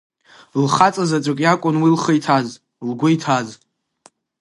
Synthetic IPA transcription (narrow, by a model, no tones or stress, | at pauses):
lχat͡sʼazat͡ʃʷʼɨkʲʼjakʷʼʊnwilχəjtʰaz | lɡʷʊjtʰaz